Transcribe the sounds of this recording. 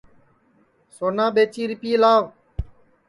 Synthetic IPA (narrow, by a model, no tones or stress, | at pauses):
soːnãːɓeːt͡ʃiːɾɪpiːlaːʋ